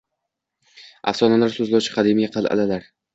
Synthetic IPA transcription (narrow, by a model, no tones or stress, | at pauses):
ʔa̰fsɒnalaɾsɵzlawt͡ʃʰɪ̥qʰɑd̪emɪjʲaqʰɑlˠa̰lalaɾ